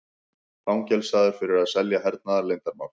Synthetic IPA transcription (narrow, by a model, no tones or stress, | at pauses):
fawmcɛlsaːðʏɾ̥fɪɾɪɾaðsɛljaɦɛɾt̪̚naðaɾlejnt̪aɾma̰wl